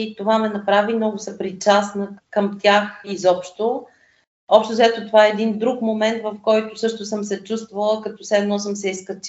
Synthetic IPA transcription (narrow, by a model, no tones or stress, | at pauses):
t̪ovamɛnɐpɾavimnɔɡʊsɐpɾit͡ʃasnəkəmt̪ʲjaxizɔpʃt̪o | ɔpʃt̪ʊzɛt̪ot̪ovaɛːɛd̪ind̪ɾukmomɛnt̪vəfkɔjt̪ʊsɤʃt̪ʊsɤmsɛt͡ʃust̪vəlˠəkɐt̪ɔsɛɛːd̪nɔs̬ɤmsɛiskɐt͡ʃ